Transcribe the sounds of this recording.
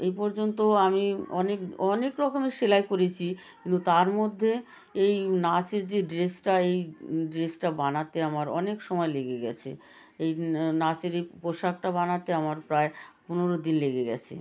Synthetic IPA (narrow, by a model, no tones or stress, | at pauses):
ejpɔɾd͡ʑont̪oamiɔnekɔnekɾɔkomeɾʃelaekoɾet͡ɕʰi | kint̪ut̪aɾmod̪ʱːe | ejnat͡ɕeɾd͡ʑeɖɾesʈaejɖɾesʈabanat̪eamaɾɔ̰nekʃɔmɔeleɡeɡɛ̰t͡ɕʰḛ | ejnat͡ɕeɾejpoʃak̚ʈabanat̪eamaɾpɾaepuneɾod̪inleɡeɡɛ̰t͡ɕʰḛ